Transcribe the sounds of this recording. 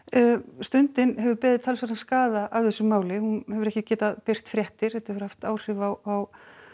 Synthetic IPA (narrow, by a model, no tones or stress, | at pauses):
st̪ʏnt̪ɪnhɛvʏɾpɛːðɪðt̪ʰalsvaɾanskaːðaʔavθɛsːʏmːaːwlɪhunhɛvʏɾɛhcɪcɛːt̪aðpɪr̥t̪fɾjɛht̪ɪɾ̥θɛt̪ahɛvʏɾ̥haft̪aːwr̥ɪvawaw